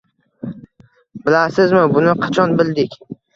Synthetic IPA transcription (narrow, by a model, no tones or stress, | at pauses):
bɪlasɪzmɪbʊnɪqʰɑt͡ʃʰɒnbɪld̪ɪkʲ